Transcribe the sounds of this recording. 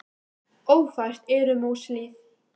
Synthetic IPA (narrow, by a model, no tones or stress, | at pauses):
oːwfajr̥t̪ɛːɾʏmowsliːθ